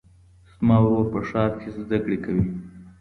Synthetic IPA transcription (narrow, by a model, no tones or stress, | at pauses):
smɑwwapəʂɑːɾkʰezd̪akɽekʰawi